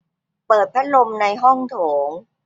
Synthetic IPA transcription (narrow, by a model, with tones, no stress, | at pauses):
pɤː˨˩t̪̚pʰa˦˥lo˧mna˧jɦɔ˥˩ŋt̪ʰoː˩˦ŋ